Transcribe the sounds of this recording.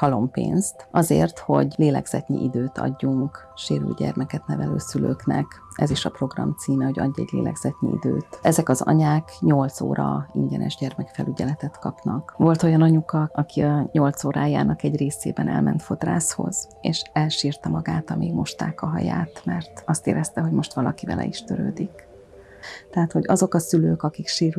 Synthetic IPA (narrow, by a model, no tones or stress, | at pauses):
hɒlo̞mpḛːnst̪ɒzeːrt̪ho̞ɟleːlɛɡz̥ɛt̪nḭʔid̪øːt̪ɒ̰ɟːuŋk | ʃeːɾy̰lɟɛrmɛkɛt̪nɛvɛløːsyløːknɛk | ɛziʃɒpro̞ɡrɒmt̪siːmɛɦo̞ɟɒɟːɛɟleːlʔɛɡz̥ɛt̪ɲiid̪øːt̪ɛzɛkɒzɒ̰ɲaːkɲo̞lt̪soːɾɒiɲɟɛnʔɛʒɟɛrmɛkfɛlyɟɛlɛt̪ɛt̪kɒpnɒkʋo̞lt̪o̞jɒnɒɲukɒɒkiɒɲo̞lt̪soːɾaːjaːnɒkɛɟreːsḛːbɛnɛ̰lmɛnt̪fo̞t̪raːsho̞̰z̥ | eːʃɛlʃiːrt̪ɛmɒɡaːt̪ɒmiːɡmo̞ʃt̪aːkɒɦɒjaːt̪mɛrt̪ɒst̪eːɾɛst̪ɛɦo̞ɟmo̞ʃt̪ʋɒlɒkivɛlʔɛ̰iʃt̪øɾøːd̪ik | t̪ɛɦaːt̪ho̞ɟɒzo̞kɒsyløːkɒkikʃeːɾy